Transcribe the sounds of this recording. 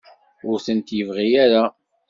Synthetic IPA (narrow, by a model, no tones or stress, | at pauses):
ʊɾθənt̪jəvʁijaɾa